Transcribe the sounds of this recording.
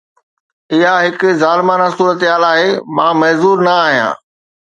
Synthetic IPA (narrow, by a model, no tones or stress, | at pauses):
ɪɦaɦɪkʊ̆zaːlɪmaːnasuːɾət̪ɪɦaːlaːɦemãːmɐɦzuːɾnɐaːɦijã̰ː